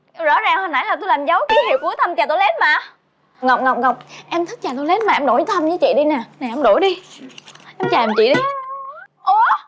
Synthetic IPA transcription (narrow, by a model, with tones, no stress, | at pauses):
zɔ̰˧˥zaː˨˩ŋhə˨˩na̰˧˦jlaː˨˩t̪o˧laː˨˩mzə˨˦wki˧˦he˨˩ku˨˦ət̪ʰə˧mt͡ɕaː˨˩t̪o˧jle˨˦˥t̚maː˨˩ | ŋə˨˩wk͡p̚ŋə˨˩wk͡p̚ŋə˨˩wk͡p̚ʔɛ˧mt̪ʰi˦˥k̚t͡ɕaː˨˩t̪o˧jle˨˦˥n̚ma˨ʔɛ˧mɗo˧˩˦jt̪ʰə˧mzɨ˨˦t͡ɕḭ˧˨ɗi˧na˨˩naː˨˩ʔɛ˧mɗo˧˩˦jɗi˧ | ʔɛ˧mt͡ɕaː˨˩ʔɛ˨˩mt͡ɕḭ˧˨ɗi˧ | ʔo˨˧˦